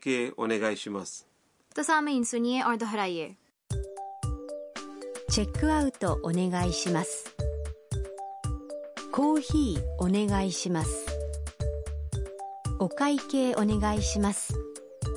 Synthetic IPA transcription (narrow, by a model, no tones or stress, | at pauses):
keːo̰ne̞ɡaiɕimasɨ̥ | t̪osamɯinsɨɲʲieʔoɾd̪oɦɾajeɾ | t͡ɕe̞kːɯ̟aɯ̟t̪o̞ʔone̞ɡaiɕimasɨ̥ | ko̞ːçiːo̞ne̞ɡaiɕimasɨ̥ | o̞kaike̞ːʔo̞ne̞ɡaiɕimasɨ̥